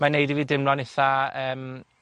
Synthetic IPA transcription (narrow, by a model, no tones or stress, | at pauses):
manejdiviːdɪmlɔnɪθaəːm